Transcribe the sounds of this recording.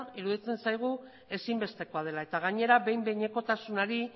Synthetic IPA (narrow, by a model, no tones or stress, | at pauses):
iɾuðit͡se̞nsajɣ̞u | e̞simbe̞st̪e̞ko̞að̞e̞lae̞t̪aɣ̞aɲe̞ɾaβe̞jmbeɲeko̞t̪asunaɾi